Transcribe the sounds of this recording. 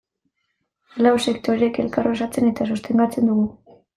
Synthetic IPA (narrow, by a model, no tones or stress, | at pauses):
lawse̞kt̪o̞ɾeeke̞lkarosat͡se̞ne̞t̪asost̪e̞ŋɡat͡se̞nd̪uɣu